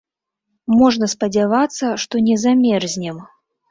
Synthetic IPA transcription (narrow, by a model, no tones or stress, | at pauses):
mɔʐnɐspɐd͡zʲavat̪sːɐʂt̪ɔnʲɛzamʲɛrzʲnʲɛm